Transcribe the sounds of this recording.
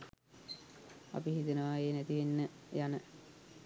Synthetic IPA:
a̰piɦit̪inəʋaeːnæt̪iʋinːəjanə

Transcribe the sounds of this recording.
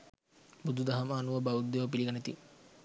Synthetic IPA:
bud̪ʱud̪ɐɦɐmaːnuʋəbɐud̪ːeʋəpiliɡɐnet̪i

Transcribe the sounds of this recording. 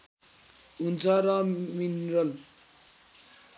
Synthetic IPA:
unt͡sʰʌɾʌminrʌl

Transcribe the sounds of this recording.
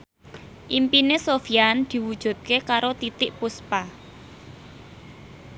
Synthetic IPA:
ʔimpinesofiand̪̥i̤wud̥ʒ̥ṳt̪̚kekaɾot̪it̪ɪʔpuspa

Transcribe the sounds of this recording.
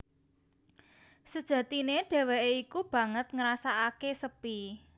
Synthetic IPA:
səd̥ʒ̥ä̤t̪ineɖ̥ɛ̤weʔeikub̥ä̤ŋət̪̚ŋəɾasaakesəpi

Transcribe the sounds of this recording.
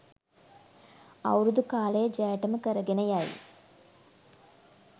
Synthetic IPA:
ɐ̰wɾud̪ukaːleːd͡ʒɐːʈːɐmɨkɐɾɐɡɪnɐjaːjḭ

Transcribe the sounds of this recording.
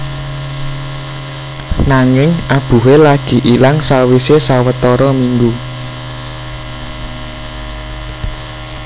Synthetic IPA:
naŋɪŋab̥ṳɦelaɡ̥i̤ʔilaŋsawisesawət̪ɔɾɔmiŋɡu

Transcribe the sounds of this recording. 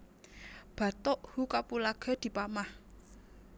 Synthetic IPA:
b̥ä̤t̪oʔhukapulaɡ̥a̤d̪̥i̤pamah

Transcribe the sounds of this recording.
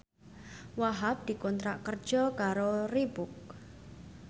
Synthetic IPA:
waɦap̚d̪̥i̤kɔnt̪ɾaʔkər̥d͡ʒ̥ɔkaɾoribʊk̚

